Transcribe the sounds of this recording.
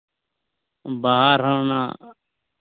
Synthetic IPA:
baɦaːɾɦəːna̰ː

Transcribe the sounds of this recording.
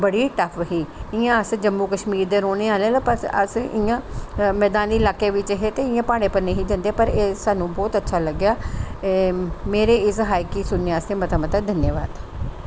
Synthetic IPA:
bəɽiːʈəfʰɦiːɪjãːəsd͡ʒəmːuːkəʃmiːɾd̪eːɾoːɽ̃eːaːleːlːpəɾə̰sɪjãːmɛːd̪aːnd̪iːlaːkːeːʋɪt͡ʃɦet̪eːɪjãːpaːɽ̃ẽːpəɾneɦiːd͡ʒãnd̪eaːpəɾeːsaːnũːbɔːt̪ətːʃʰaːləɡjaː | meːɾeːɪsɦaːɪkiːsʊnːeaəst̪eːmət̪əmət̪əd̪ənjaːʋa̰ːd̪

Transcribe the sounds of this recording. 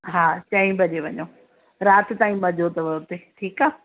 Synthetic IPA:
ɦaːt͡ɕɐːĩbʱɐʄeʋɐɲo | ɾaːt̪ɪ̆t̪aːĩɓʱɐʄʱot̪ɐʋɐt̪eʈʰiːkaː

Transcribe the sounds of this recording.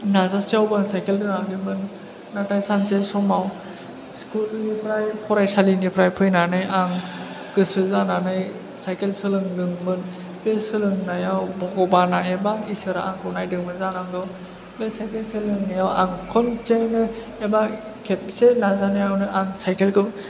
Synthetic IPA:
nazasiawbaŋsajkeldɯŋaɡimɯnː | atajsansesɔmaw | skulnipʰɾajpʰɔɾajsalinipʰɾajpʰɯjnanɯjaŋ | kɯsɯzananɯj | sajkelsɯlɯŋdɯŋmɯn | besɯlɯŋnajawbɔɡɔbanaebaisɯɾaaŋkʰɯwnajdɯŋmɯnzanaŋdɔ | besajkelsʰelːɯŋnɯjawa̰ŋkʰɔnt͡ʃejnɯ | eba | kʰep̚selazanajawnɯʔaŋsajkelkɯw

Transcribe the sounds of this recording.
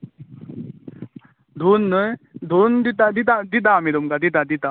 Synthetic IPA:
d̪ʱunːəjd̪ʱund̪it̪ad̪it̪ad̪it̪aːmid̪umkad̪it̪̬ad̪it̪a

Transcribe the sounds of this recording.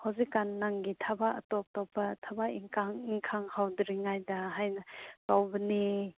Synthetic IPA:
hɔzikːanːaŋɡit̪ʰabaʔə̰tɔp̚tɔpːatʰabaʔiŋkʰaŋiŋkʰaŋhawdɾiŋajdaɦajnakawbəni

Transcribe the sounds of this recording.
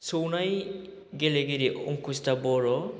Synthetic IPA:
sownaj | ɡeleɡeɾiʔɔŋkʰustabɔɾɔ

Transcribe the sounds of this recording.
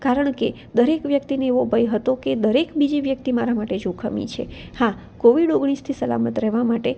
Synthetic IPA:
kaɾəɳke | d̪əɾekʋjəkt̪ineeʋobʱəjɦət̪oked̪əɾekbid͡ʒiʋjək̚t̪imaɾamaʈed͡ʒokʰəmḭt͡ʃʰḛha | koʋiɖoɡɽ̃ist̪ʰisəla̰mət̪ɾɛɦʋamaʈe

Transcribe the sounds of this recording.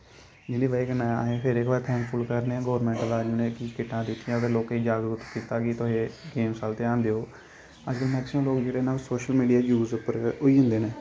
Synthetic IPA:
d͡ʒɪliːʋəiːkənɛ̃ːaːɦeːpʰɪɾekʋaːt̪ʰɛ̃ːŋkpʰʊlkəɾneãːɡɔːɾmɛ̃ːɳʈəlaːd͡ʒuːnẽːkiːkɪʈːãːd̪ɪt̪ʰːɪjãːt̪eːloːkeːd͡ʒaːɡɾʊt̪kiːt̪aːɡiːt̪oɦeːɡeːmsalt̪eːãːnd̪eːoː | əd͡ʒkəlmɛ̃ːk̪əsʰiõːloːkd͡ʒeːɽeːnaːlsoːʃəlmiːɖijaːd͡ʒuːzʊpəɾoiːɦʊ̃nd̪eːnẽː

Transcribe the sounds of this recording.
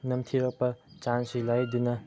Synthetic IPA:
nɐmt̪ʰiɾɐk̚pɐt͡ʃansilajd̪inɐ

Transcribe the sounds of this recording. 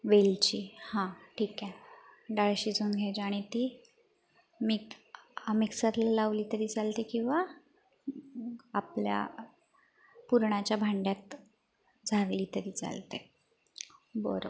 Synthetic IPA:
ʋelt͡ɕiːhãʈʰiːkɛ̃ɖaɭɕiːd͡zʱuːnɡʱad͡ʑaɽ̃it̪iː | mikamiksat̪lalaʋliːt̪əɾiːd͡zalt̪ekĩw̃ʋa | plja̰ | puɾɳat͡ɕjabʱaɳɖjat̪ | d͡zʱaʋliːt̪əɾiːt͡sa̰lt̪e | bə̰ɾo̰

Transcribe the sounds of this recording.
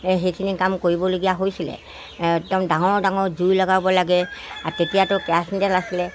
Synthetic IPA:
ɦejkʰinikamkoɹibɔloɡijaɦojsilɛ̰ | tɛmdaŋɔɹdaŋɔɹzujlɔɡabɔlaɡɛatetijatʊkɛsndɛlasilɛ

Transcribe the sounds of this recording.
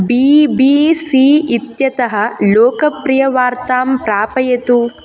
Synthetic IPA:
biːbiːsiːit̪jɐt̪ɐɦɐ̆loːkɐpɾijɐʋaːɾt̪aːmpɾaːpɐjɐt̪u

